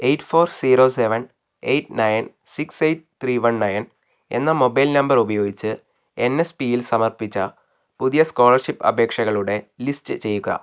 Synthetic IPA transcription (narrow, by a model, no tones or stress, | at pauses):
e̞jʈfo̞ːrsiːɾo̞ːseʋɐn | e̞̰jʈnɐjn | siksejʈt̪riːʋɐnnɐjn | e̞̰nːɐmo̞bɐjlnɐmbɐrubɐjo̞ːɡit͡ɕːɨ | e̞nːe̞spijilsɐmɐrpit͡ɕːɐ | puðijɐsko̞ːɭɐrʂipːɐ̰bʱe̞ːkʂɐɣɐɭuɽe̞listɨt͡ɕe̞jːuɣɐ̰